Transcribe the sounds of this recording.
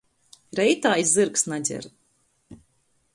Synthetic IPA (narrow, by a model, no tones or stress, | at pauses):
ɾɛjt̪aːizzɨɾksnad͡zʲɛ̰ɾ